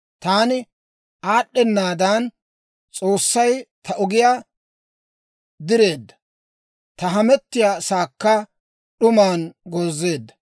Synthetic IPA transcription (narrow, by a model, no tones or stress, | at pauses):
t̪aːnɪ | aːɗːɛnːaːd̪aːn | t͡sʼo̞ːsːɐjt̪ʰɐʔɔɡɪjaː | d̪ɪɾe̞ːd̪ːɐ̥ | t̪ɐɦɐmɛt̪ːɪjaːsaːkːɐ | ɗʊmaːnɡoːzːe̞ːd̪ːɐ̥